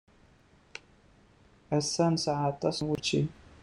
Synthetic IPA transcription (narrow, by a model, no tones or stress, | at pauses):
æsːænsʕat̪ˤːɑsnwut͡ʃːi